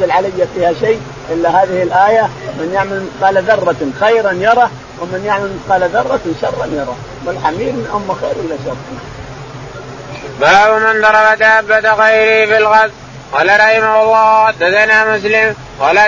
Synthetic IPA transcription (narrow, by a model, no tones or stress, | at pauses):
alʕalɪjːafiːhaʃaː | ʔɪlːahaːðɪhɪlʔaːjamɪnjɪʕmalqɑːlaðɑrˤːɑxajɾanjɑɾˤɑ | wɪmɪnjɪʕmalt̪qɑːlaðɑrˤːɑʃɑrˤːɑnjɑɾˤɑ̰ː | wɪlħamiːbnʔʊmːaxeːɾʔɪlːaʃɑrˤːna | baːbmɪnd̪ˤɑɾˤɑbat̪aʕabːad̪aɣajɾifɪlɣað | qɑːlaɾˤɑhɪmaɑlːɑːd̪ad̪anamʊs̬lɪm | qɑːla